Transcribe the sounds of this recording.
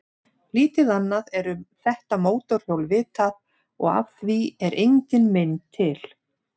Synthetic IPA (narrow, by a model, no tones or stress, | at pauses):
liːt̪ɪðanːaðɛɾʏmθɛht̪amoːwt̪ɔɾ̥howlvɪːt̪að | ɔ̰ɣa̰vθviɛɾʔejɲcɪnmɪnt̪ʰɪl̥